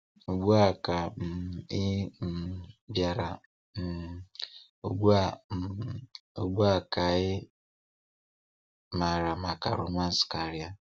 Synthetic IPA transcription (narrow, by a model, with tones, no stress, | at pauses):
u˨ɡ͡bu˦a˨ka˨m̩˨ɪ˦m̩˨bja˨ɾa̰˨ | o˨ɡ͡bu˦a˨ | o˨ɡ͡bu˦a˦˨ka˨ɪ˦ | ma˨ɾa˨ma˨ka̰˨ɾo̰˨ma˦n̩˦ska˨ɾi˦a˦